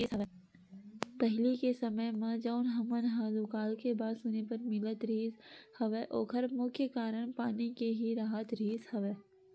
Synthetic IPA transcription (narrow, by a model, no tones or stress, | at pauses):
pɐɦɪlikesɐməjmãd͡ʒɔːnɦɐmənɦaːzukaːlkebaːd̪sʊnepɐɾmɪlət̪ɾiːzhɐʋeʔo̰ːkʰɐɾmʊkʰjəkaːɾəɽ̃paːnikeɦiɾaːɦət̪ɾiːzhɐʋeː